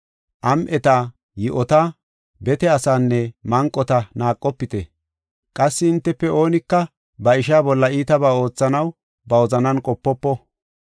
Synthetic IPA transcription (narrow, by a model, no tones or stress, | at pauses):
ʔɐmʔɛt̪a | jɪʔɔt̪a | bɛt̪ɛɐsaːnːɛmɐŋkʼːɔt̪ɐnaːkʼːɔpːɪt̪ɛ | kʼɐsːɪɪnt̪ːɛpːɛʔo̞ːnɪkːɐ | bɐɪʃaːbɔlːɐiːt̪ɐbaːo̞ːt͡sːɐnɐw | bɐwɔzɐnɐnkʼɔpːɔpːɔ